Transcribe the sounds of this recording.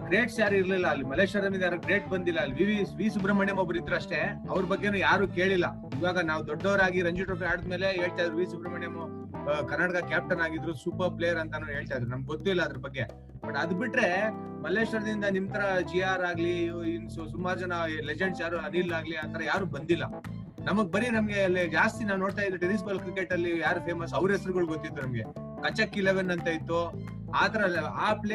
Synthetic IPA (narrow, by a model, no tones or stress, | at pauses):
ɡɾeːʈsjaːɾuiɾlilːɐːlːimɐleːʂɐɾɐd̪ɐmind̪jaːɾuːɡɾe̞ːʈ̚bɐnd̪ilːɐːlːiʋiʋiʋiːsubɾɐmɐɳjɐmɐbɐɾid̪ɾuɐʂʈe̞ɐʋɐɾbɐɡːenuːjaːɾuːke̞ːɭilːɐ | id̪ʋaːɡɐnaːʋd̪ɔɖːɐʋɾaːɡiɾɐɲd͡ʒuʈɾopiaːɽid̪meːle̞ɦe̞ːɭt̪aːjd̪ɐɾuʋiːsubɾɐmɐɳjɐm | kɐɾnaːʈɐkɐkjaːp̚ʈɐnaːɡid̪ɾusuːpɐɾplejɐɾɐnt̪ɐnuːɦe̞ːɭt̪ajd̪ɐɾunɐmɐɡ̚ɡot̪ːuilːɐːd̪ɐɾɐbɐɡːe̞ | bɐʈɐd̪biʈɾe̞ | mɐlːeːʂʋɐɾɐd̪ind̪ɐnimt̪ʰɐɾɐd͡ʒijaːɾaːɡlissumːaːɾud͡ʒɐnɐled͡ʒeɳɖsjaːɾuɐnilaːɡliaːt̪ʰɐɾɐjaːɾuːbɐnd̪ilːɐ̰ | nɐmɐɡ̚bɐɾinɐmɐɡe̞ɐlːid͡ʒaːst̪inaːwno̞ːɽt̪ajd̪ilːiʈiɾis̬bɐlkɾikeʈːɐlːijaːɾupʰe̞ːmɐs̬ɐʋɾɦesɐɾuɡɐɭuɡot̪ːit̪ːunɐmɡe̞ | kɐt͡ʃːɐkːileʋenːɐnt̪ɐit̪ːu | aːt̪ɐɾɐaːpe